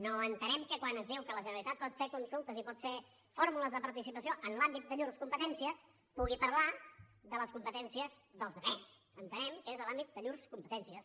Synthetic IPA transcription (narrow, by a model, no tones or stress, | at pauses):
noənt̪ənɛmkəkwanəzðiwkələʒənəlit̪at̪̚pɔt̪fekunsulˠt̪əzipɔt̪fe | foɾmuləzðəpəɾt̪isipəsioʔənlambit̪̚d̪əʎuɾskumpət̪ɛnsiəs | puɣipəɾlaðələskumpət̪ɛnsiəzðəlˠzðəβɛsənt̪ənɛmkəezlambit̪̚d̪əʎuɾskumpət̪ɛnsiəs